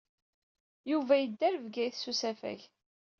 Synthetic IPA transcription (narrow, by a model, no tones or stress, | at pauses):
juvæjəd̪ːæɾvɡæjθsusæfæ̰ç